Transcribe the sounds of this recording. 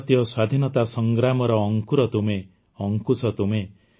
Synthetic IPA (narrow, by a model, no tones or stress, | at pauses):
t̪jɔswad̪ʱinɔt̪asɔŋɡɾamɔɾɔːŋkuɾɔt̪ume | ɔŋkusɔt̪ume